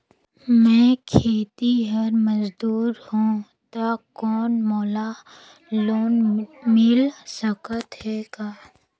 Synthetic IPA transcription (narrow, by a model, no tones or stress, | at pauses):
mɛ̃ːkʰeːt̪iɦəɾməzd̪uːɾhũ | t̪akɔːnmɔːla | loːnmɪlsəkət̪ɦɛɡaː